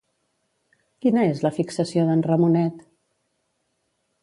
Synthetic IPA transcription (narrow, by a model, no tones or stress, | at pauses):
kinəezləfiksəsioðənrəmunɛt̪